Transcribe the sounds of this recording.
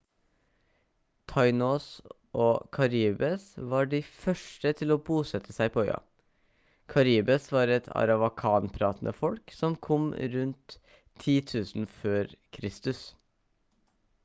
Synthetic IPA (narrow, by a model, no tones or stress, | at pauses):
t̪ʰɑɪnoːs | ʔoːkʰɑɾiːbəsʋɑːɖifœʂʈət̪ʰɪloːbuːsɛt̪ʰːəsæɪpʰɔœʏɑ̰ | kʰɑɾiːbəsʋɑːɾɛt̪ʰɑ̰ɾɑʋɑkʰɑːnpʰɾɑːt̪nʔə̰fɔlksɔmkʰɔmɾʉnt̪ʰː | iːt̪ʰʉːsn̩føːɾkʰɾɪst̪ʉs